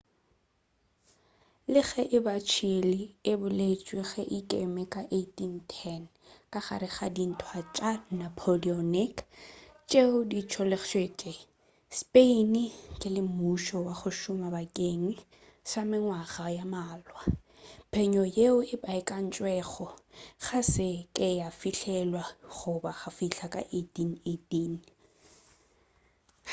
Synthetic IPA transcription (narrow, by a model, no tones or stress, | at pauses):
lɪɣɛʔɪbat͡ʃʰilɪɪbʊlet͡ʃʼweɣɛʔikʼemɛkʼaʔetʼin̩tʰɛn | kʼaχa̰ɾɪχadin̩tʰwat͡ʃʼanapʰoliɔnɪkt͡ʃʼeʊdit͡ʃʰɔlɪχʃwet͡ʃʼe | spʼeinikʼɪlɪmuʃɔwaχʊʃʊmabakʼeŋ̩ | samɪŋwaɣajamaːlwa | pʰɛɲɔjeʊɪbaɪkʼan̩t͡ʃʼwɛχɔχasɪkʼɪjafiɬɛlwaχʊbaχafiɬakʼa̰ʔetʼinetʼin